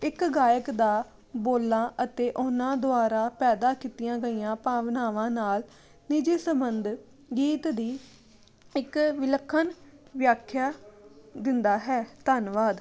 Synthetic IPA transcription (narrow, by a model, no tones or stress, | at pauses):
ɪkɡaːjəkd̪aː | boːlːãːʔət̪eːʔʊnãːd̪ʊaːɾaːpɛːd̪aːkiːt̪ɪjãːɡəijãːpãːʋnaːʋãːnaːl | nɪd͡ʒeːsəmbənd̪ | ɡiːt̪d̪iː | ɪkʋɪləkʰːənʋjaːkʰːjaːd̪ɪnd̪aːɦɛːt̪aːnʋaːd̪